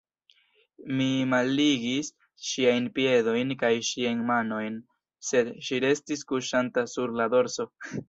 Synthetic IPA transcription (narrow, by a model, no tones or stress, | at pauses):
mimalːiɡis | ʃiajnpie̞do̞jnkajʃiajnmano̞jn | se̞d̪ʃiɾe̞stiskuʃantasuɾlad̪o̞ɾso̞